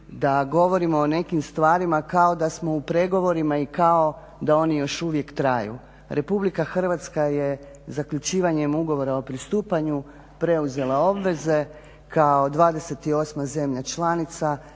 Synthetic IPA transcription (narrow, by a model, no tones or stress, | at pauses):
d̪aɡo̞ʋo̞ɾimo̞ːne̞kimst̪ʋaːɾimakao̞d̪asmo̞upɾe̞ɡo̞ʋo̞ɾimaikao | d̪ao̞nijo̞ʃuʋje̞kt̪ɾajṵ | ɾʔe̞publikaxr̩ʋat̪skaje̞ | zakʎut͡ʃiːʋaɲe̞muɡo̞ʋo̞ɾao̞pɾist̪uːpaɲu | pɾe̞uze̞lˠao̞bʋe̞ze̞ | kao̞d̪ʋaːd̪e̞se̞t̪io̞ːsmaze̞mʎat͡ʃlˠanit̪sa